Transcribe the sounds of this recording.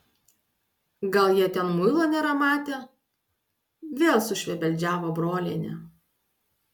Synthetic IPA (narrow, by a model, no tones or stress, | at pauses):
ɡɐlˠjiɛt̪ʲɛnmʊɪlˠoːnʲɛːɾɐmɑːt̪ʲeː | ʋʲeːlˠsʊʃʲʋʲɛbʲɛlʲd͡ʒʲæːʋoːbɾoːlʲeːnʲɛ